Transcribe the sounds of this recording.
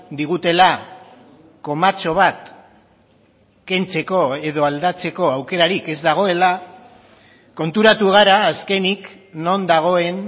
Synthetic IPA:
d̪iɣ̞ut̪e̞la | ko̞mat͡so̞βat̪ | ke̞nt͡se̞ko̞e̞ð̞o̞ald̪at͡se̞ko̞awke̞ɾaɾike̞zd̪aɣ̞o̞e̞la | ko̞nt̪uɾat̪uɣ̞aɾaːske̞nik | no̞nd̪aɣ̞o̞e̞n

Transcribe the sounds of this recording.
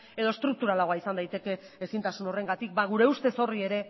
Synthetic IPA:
e̞ð̞ost̪ɾuk̚t̪uɾalaɣo̞aisand̪ajt̪e̞ke̞ːsint̪asuno̞re̞ŋɡat̪ik̚baɣ̞uɾe̞ust̪e̞so̞rie̞ɾe̞

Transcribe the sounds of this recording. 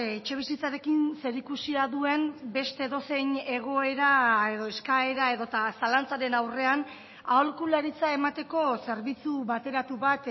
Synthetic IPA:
et͡ʃe̞β̞isit͡saɾe̞kinse̞ɾikusiaðue̞mbe̞st̪e̞ðo̞se̞ɲe̞ɣo̞e̞ɾae̞ðo̞e̞skae̞ɾae̞ðo̞t̪asalant͡saɾe̞nawre̞an | aolkulaɾit͡sae̞mat̪e̞ko̞se̞ɾβit͡suβat̪e̞ɾat̪uβat̪

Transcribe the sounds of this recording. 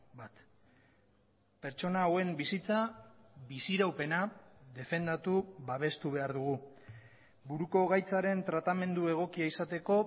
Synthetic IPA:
bat̪ | pe̞ɾt͡ʃo̞nawe̞mbisit͡saβisiɾawpe̞naðe̞fe̞nd̪at̪uβaβ̞e̞st̪uβ̞e̞aɾðuɣ̞u | buɾuko̞ɣajt͡saɾe̞nt̪ɾat̪ame̞nd̪ue̞ɣ̞o̞kiaisat̪e̞ko̞

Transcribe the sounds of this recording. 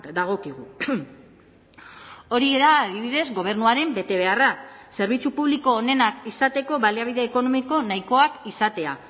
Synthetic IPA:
d̪aɣ̞o̞kiɣ̞u | o̞ɾieðaːðiβiðe̞zɣo̞β̞e̞ɾnuaɾe̞mbe̞t̪e̞β̞e̞arase̞ɾβit͡supuβliko̞ːne̞nakisat̪e̞ko̞βaliaβ̞iðe̞ːko̞no̞miko̞naiko̞akisat̪e̞a

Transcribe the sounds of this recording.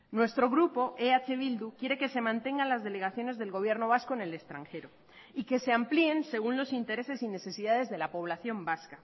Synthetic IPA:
nwe̞st̪ɾo̞ɣ̞ɾupo̞ʔeat͡ʃe̞β̞ild̪ukje̞ɾe̞ke̞se̞mãnt̪e̞ŋɡanlazðe̞le̞ɣ̞aθjo̞ne̞zðe̞lɣo̞β̞je̞ɾno̞β̞asko̞ene̞le̞st̪ɾaŋxe̞ɾo | ike̞se̞amplie̞nse̞ɣ̞unlo̞sint̪e̞ɾe̞se̞sine̞θe̞siðaðe̞zðe̞lapo̞β̞laθjo̞mbaska

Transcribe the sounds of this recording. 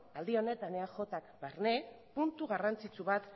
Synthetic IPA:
ald̪io̞ne̞t̪aneaxo̞t̪akbaɾne̞ | punt̪uɣarant͡sit͡suβat̪

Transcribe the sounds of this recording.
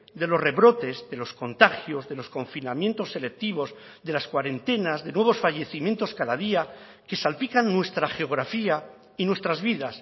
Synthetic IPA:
d̪e̞lo̞sre̞βɾo̞t̪e̞zðe̞lo̞sko̞nt̪axjo̞zðe̞lo̞sko̞ɱfinamjẽ̞nt̪o̞sːe̞le̞k̚t̪iβ̞o̞z | ðe̞laskwaɾe̞nt̪e̞nazðe̞nweβ̞o̞sfaʝe̞θimje̞nt̪o̞skaðaðia | ke̞salpikanːwe̞st̪ɾaxe̞o̞ɣ̞ɾafia | inwe̞st̪ɾazβiðas

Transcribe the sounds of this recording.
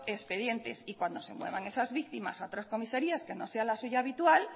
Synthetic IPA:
espe̞ðje̞nt̪e̞̰sikwand̪o̞se̞̰mwe̞β̞aŋe̞sazβik̚t̪ima̰saot̪ɾasko̞miseɾiaske̞no̞se̞alasuʝaːβit̪wal

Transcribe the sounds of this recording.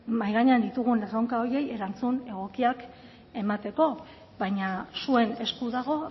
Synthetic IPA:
majɣaɲand̪it̪uɣ̞unleroŋkaoɾje̞je̞ɾant͡sune̞ɣ̞o̞kiak | e̞mat̪e̞ko̞ | βajɲasue̞ne̞skuðaɣ̞o̞

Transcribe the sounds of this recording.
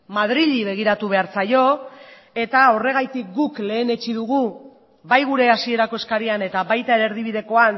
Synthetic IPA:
mað̞ɾiʎiβe̞ɣ̞iɾat̪uβ̞e̞aɾt͡sajo̞ | e̞t̪ao̞re̞ɣ̞ajt̪ik̚ɡukle̞ːne̞t͡ʃið̞uɣ̞u | bajɣ̞uɾe̞asie̞ɾako̞e̞skaɾiane̞t̪aβajt̪aeɾe̞ɾðiβ̞iðe̞ko̞an

